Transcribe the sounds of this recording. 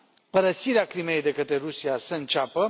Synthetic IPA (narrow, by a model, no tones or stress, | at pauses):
pəɾəsiɾeakɾime̞jd̪e̞kət̪ɾeɾusiasəɨnt͡ʃapə